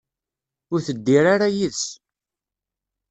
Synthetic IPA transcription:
ʊɾθəd̪ːiɾaɾajiðs

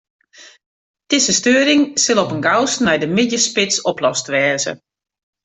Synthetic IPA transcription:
tɪsəstøːɾɪŋsɪlˠɔpənɡawsnɛjdəmɪdjəspɪtsɔplɔstʋɛːzə̰

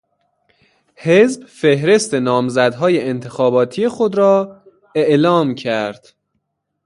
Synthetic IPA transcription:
hezbfe̞hɾe̞st̪e̞nɒːmzæd̪ɦɒːjeʔent̪ʰe̞xɒːbɒːt̪ʰije̞xo̞d̪ɾɒː | eʔlɒːmcʰæɾd̪̥

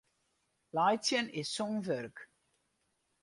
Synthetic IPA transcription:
lajt͡sjənɪsːonvørk

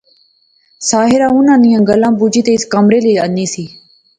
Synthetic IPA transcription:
saːɦɪɾãːʊnãːnijãːɡəlãːbud͡ʒiːt̪eːɪskəmɾeːliːəniːsiː

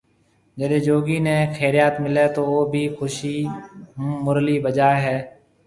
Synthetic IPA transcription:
d͡ʒəd̪eːd͡ʒoːɡiːneːxʰeːɾɪjaːt̪mɪleːt̪oːoːbʱiːxʊʃiː | mʊɾliːbəd͡ʒaːɦɛː

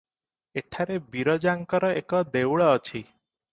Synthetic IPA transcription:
eʈʰaɾebiɾɔd͡ʒaŋkɔɾɔekɔd̪ewɭɔːt͡ʃʰi

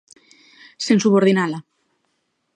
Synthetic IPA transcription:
sensuβoɾðinala

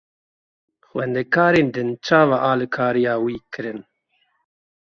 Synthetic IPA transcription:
xwɛnd̪ɛkɑːɾeːnd̪ɨnt͡ʃɑːvaːʔaːlɨkʰaːɾijɑːwiːkɨɾɨn

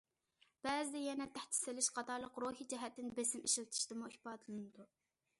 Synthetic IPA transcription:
b̥ɛːzɪd̪ɛjɛnɛt̪ʰæht̪ʰɪ̥sɪlɪʃqʰɑt̪ʰɑɾlˠəqɾoɦid͡ʒɛɦɛt̪ːɪnbesɪmiʃilt̪ʰi̥ʃt̪ɨmuipɑːd̪ɨlˠɨnɨd̪u

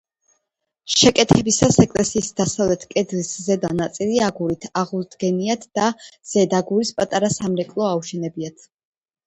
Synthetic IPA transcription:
ʃɛkʼɛt̪ʰɛbisasɛkʼlɛsiːsd̪̥asavlɛt̪ʰkʼɛd̪liszɛd̪anat̪sʼiliaɡuɾit̪ʰaʁulˠd̪ɡɛniat̪ʰd̪̥az̥ɛd̪aɡuɾispʼat̪ʼaɾasamɾɛkʼlˠɔauʃɛnɛbiat̪ʰ

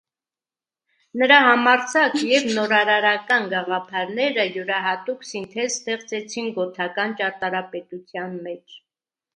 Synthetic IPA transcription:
nəɾɑhɑmɑɾt͡sʰɑkjɛvnɔɾɑɾɑɾɑkɑnɡɑʁɑpʰɑɾnɛɾəjuɾɑɦɑt̪uksint̪ʰɛɾst̪ɛχt͡sɛt͡sʰinɡɔt̪ʰɑkɑnt͡ʃɑɾt̪ɑɾɑpɛt̪ut͡sʰjɑnmɛt͡ʃʰ

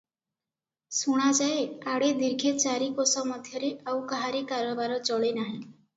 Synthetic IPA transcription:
suɽ̃ad͡ʒaeaɽed̪iɾɡʱet͡ʃaɾikosɔmɔd̪ʱjʌɾeʔawkaɦaɾekaɾɔbaɾɔt͡ʃɔɭenaɦĩ

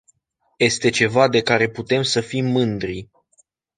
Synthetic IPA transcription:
je̞st̪e̞t͡ʃe̞vad̪e̞kaɾe̞put̪e̞msəfimːɨnd̪ɾi

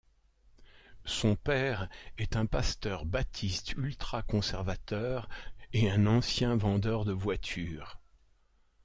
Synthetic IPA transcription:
sɔ̃pɛʁɛt̪ɛ̃past̪œʁbat̪ʰist̪ylt̪χakɔ̃sɛʁvat̪œːʁeɛ̃nɑ̃sjɛ̃vɑ̃d̪œʁd̪əvwat̪ʰyːʁ

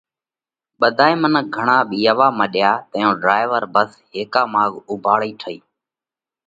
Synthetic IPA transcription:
ɓəd̪ʱaːiːmənək̚ɡʱəɳãːɓiːəʋaːməɗɪjaːt̪əjõːɖɾaːɪʋəɾbəsɦeːkaːmaːɠʊbʱaːɭiːʈʰəḭː

